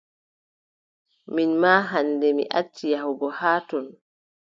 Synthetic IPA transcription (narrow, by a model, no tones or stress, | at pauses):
minmaːɦandɛmḭʔat͡ʃːijahuɡɔhaːtɔn